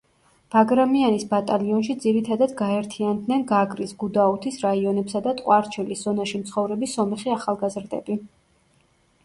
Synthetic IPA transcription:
b̥aɡɾamianisbat̪ʼaliɔnʃid̪ziɾit̪ʰad̪ad̪ɡaɛɾt̪ʰiand̪nɛnɡaɡɾisɡud̪aut̪ʰisɾaiɔnɛpsad̪at̪ʼqʼwaɾt͡ʃʰɛlisz̥ɔnaʃimt̪sʰχɔvɾɛbisɔmɛχiaχalˠɡazɾd̪ɛbi

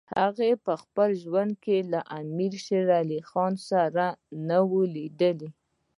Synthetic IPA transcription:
haɣepəxpəlʒwand̪̚kelaʔamiɾʃeɾalixɑnsaɾanəwulid̪əli

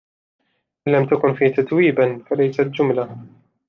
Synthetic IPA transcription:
ʔɪnlːamt̪akʊnfiːt̪at̪wiːbanfalajsat̪d͡ʒʊmla

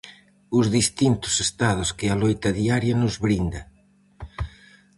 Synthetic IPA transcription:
ʊzðist̪int̪ʊ̥sest̪aðʊskɪalojt̪ɐðiaɾjɐnʊzβɾind̪ɐ

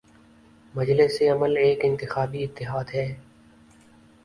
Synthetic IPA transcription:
mɐd͡ʒlɪseɐməleːkɪ̃nt̪ɪxaːbiɪt̪ːɪɦaːd̪ɦɛː

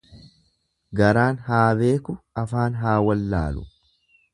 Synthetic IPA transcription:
ɡɐɾaːnhaːbe̞ːkʊɐfaːnɦaːwɐlːa̰ːlʊ

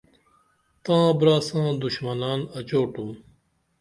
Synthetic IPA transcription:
t̪ãːbɾaːsãːd̪uɕmɐnaːnɐt͡ɕoːʈũː

